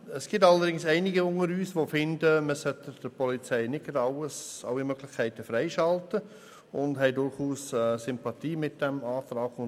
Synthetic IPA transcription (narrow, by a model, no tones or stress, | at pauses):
əsɡ̥ɪtɑlːədɪŋsɛɪnɪɡəʊŋəɾyːsʋofɪndəməsœtəd̥əpɔlit͡sɛɪnɪtɡəɾɑwəsɑ̰lːimœɡ̥lɪxkʰæɪtəfɾɛɪʃɑltə | ʊndɦɛɪdʊɾχuːsɛsʏmpɑt̪iːmɪt̚d̥ɛmɑːtɾɑːɡʊn